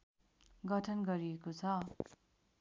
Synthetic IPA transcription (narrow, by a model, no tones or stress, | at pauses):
ɡʌʈʰʌnɡʌɾiekot͡sʰʌ